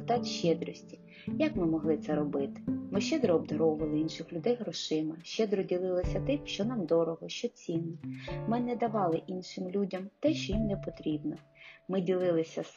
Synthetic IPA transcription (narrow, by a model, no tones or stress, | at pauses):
t̪ɑt̪ʲʃt͡ʃɛd̪ɾɔsʲtʲi̥ | jɐkmɪmɔɦlˠɪt̪sɛɾɔbɪt̪ɪ̥mɪʃt͡ʃɛd̪ɾɔɔbd̪ɐɾɔʊʋɐlˠɪinʃɪxlʲʊd̪ɛjɦɾɔʃɪmɪʃt͡ʃɛd̪ɾɔdʲilˠɪlˠɔsʲɐt̪ɪmʃt͡ʃɔnɑmd̪ɔɾɔɦɔʃt͡ʃɔt͡sʲinːɛmɪnɛd̪ɐʋɑlˠɪʔinʃɪmlʲudʲɐmt̪ɛʃt͡ʃɔjimnɛpɔt̪ɾʲibnɔmɪdʲilˠɪlˠɪsʲɐs